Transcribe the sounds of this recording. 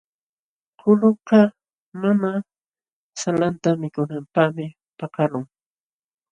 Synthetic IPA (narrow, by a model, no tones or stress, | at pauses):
kʰʊlʊqɑ | mana | salant̪amɪkʊnampaχmɪ | pakalʊŋ